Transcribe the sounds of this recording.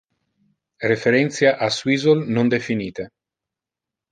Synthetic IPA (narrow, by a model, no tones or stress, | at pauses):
refeɾɛnt̪sjaʔaswizolnond̪efiniːt̪e